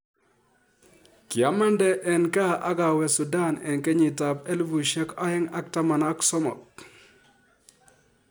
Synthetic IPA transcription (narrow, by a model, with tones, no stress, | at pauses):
kɪ˨a˨˦ma˦ndɛ˦ʔɛ˨nka˦ʔa˦ka˨wɛ˨su˨da˦˨nɛ̰˨nke˦ɲi˨ta˨pɛ˦lvu˨ʃɛ˦ka˦ɛ˦ŋa˦k̚ta˦ma˨na˦ksɔ˦mɔ̰˨k̚